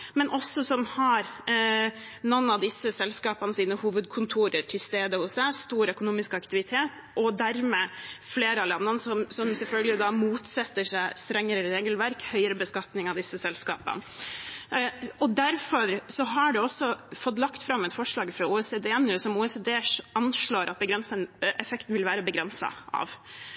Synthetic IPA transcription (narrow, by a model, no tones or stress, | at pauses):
mɛnʔɔsɔsɔmhɑɾ | nɔnːɑʋd̪ɪsːəsɛlskɑːpɑnəsiːnəhuːʋəd̪kʰʊnt̪ʰuːɾəɾʈʰɪlst̪eːd̪əhʊsæɪst̪uːɾœkʊnuːmɪskɑkt̪ɪʋɪt̪ʰeːt̪ | ʔɔd̪æɾmeːfleːɾəɑlɛnːənsɔmsɔmsɛlfœlɡəlɪd̪ɑmuːt̪sɛt̪ːəʂæɪst̪ɾɛŋːəɾəɾeːɡəlʋæɾkhœʏəɾəbəskɑt̪nɪŋɑʋd̪ɪsːəsɛlskɑ̰ːpə̰n | ɔd̪æɾfɔɾsɔɦɑɖʉɔsːɔfɔt̪ːlɑkt̪fɾɑmːɛt̪fɔʂɭɑːɡfɾɑuːɛseːd̪eːɛnːʉsɔmuːɛseːd̪eːɑnʂɭoːɾʔɑt̪̚bəɡɾɛnsənɛfɛkt̪n̩ʋɪlʋæːɾəbəɡɾɛnsɑ̰ʔɑ̰ʋ